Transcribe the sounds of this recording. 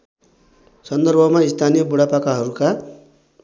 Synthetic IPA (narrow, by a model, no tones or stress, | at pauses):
sʌnd̪ʌrbʱʌmaist̪ʰanijʌbuɽapakaɦʌɾuka